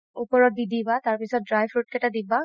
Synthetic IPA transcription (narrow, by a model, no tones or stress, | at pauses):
upɔɹɔt̚didibataɹpisɔt̚dɹajfʰɹut̚kɛtadiba